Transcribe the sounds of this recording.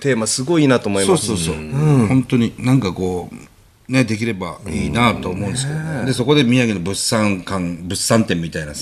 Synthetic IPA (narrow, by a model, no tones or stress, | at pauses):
t̪e̞ːmasɨɡo̞inat̪oːmoimoaːsoːsõhõ̞nt̪o̞ɲ̟inãŋkako̞ː | ne̞d̪e̞k̬ʲiɾe̞baiːnat̪oːmo̞ɯ̃nd̪es̬ɨ̥ked̪od̪e̞so̞ko̞d̪e̞mʲiaɡenobɯsãŋkãŋbɯ̟sːãnt̪ẽ̞mːʲit̪aina